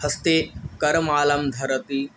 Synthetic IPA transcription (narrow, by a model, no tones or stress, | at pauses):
hɐst̪ekɐɾmaːlɐmd̪ʱɐɾət̪i